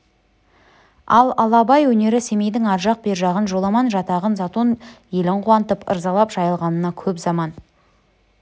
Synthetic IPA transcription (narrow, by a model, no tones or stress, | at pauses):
ɑlˠɑlˠɑbɑjwɵne̞ɾɪse̞mejd̪ɪŋɑɾʒɑq̚be̞ɾʒɑʁənʒo̞lˠɑmɑnʒɑt̪ɑʁənzɑt̪onje̞lɪɴqʰuwɑnt̪əpə̰ɾzɑlˠɑpʒ̥ɑjəlˠʁɑnənɑkʲʰɵpzɑmɑn